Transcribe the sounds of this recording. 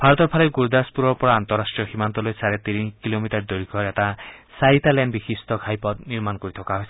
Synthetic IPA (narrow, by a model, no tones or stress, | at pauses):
bʱaɾɔt̪ɔpʰaleɡuɾd̪aspuɾɔɾpɔɾaːnt̪ɔɾːasʈɾijɔximant̪ɔlojsaɾet̪iɾikilomitaɾd̪oɾikʰɔɾɛt̪asajit̪alɛnbixist̪ɔkʰajpɔt̪niɾmankɔɾit̪ʰɔkaɦojsʰi